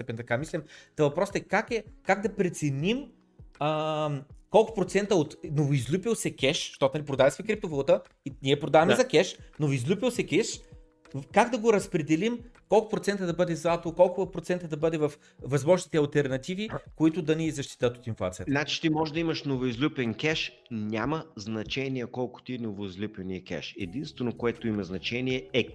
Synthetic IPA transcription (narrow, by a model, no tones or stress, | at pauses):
st̪ɛpɛnʲt̪ɐkamislʲɛmt̪əvɐpɾɔst̪ɛkakɛkaɡ̚d̪ɐpɾɛt̪sɛnim | ə | kɔlˠkʊ̥pɾot̪sɛnt̪əot̪novʊizlʲupilˠsɛkʲɛʃʃt̪ɔnɐlipɾod̪avɐsmɛkɾip̚t̪ovolˠt̪ə | inʲiɛpɾod̪avɐmɛzɐkʲɛʃnovizlʲupilˠsɛkʲɛʃ | kaɡd̪ɐɡoɾɐspɾɛd̪ɛlimkɔlˠkʊpɾot̪ɛnt̪əd̪ɐbɤd̪ɛzˠat̪olˠkɔlˠkʊpɾot̪sɛnt̪əd̪ɐbɤd̪ɛvɐf | vɐzmɔʒnit̪ɛɐlˠt̪ɛɾnɐt̪ivikoit̪ʊd̪ɐnizɐʃt̪i̥t̪ət̪ot̪inflˠa̰t̪sijət̪nat͡ʃi̥t̪imɔʒɛd̪ɐiməʃnovoizlʲupʲɛnkʲɛʃ | nʲaməznɐt͡ʃɛnijɛkɔlˠkʊ̥t̪inovoizlʲupʲɛniəkʲɛ̰ʃɛd̪inst̪vɛnokoɛt̪oimɐznɐt͡ʃɛniɛɛ